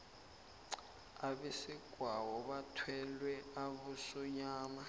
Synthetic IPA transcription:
aβɛsiɡ̥ʱwawɔβatʰwɛlwɛaβusɔɲaːma

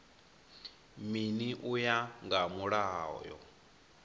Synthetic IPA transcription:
miniʔujaŋɡamuɺaːɔ̰jɔ̰

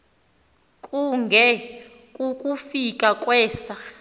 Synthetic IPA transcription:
kʼuŋɡʱɛ | kʼukʼufikʼakʼwɛːsa

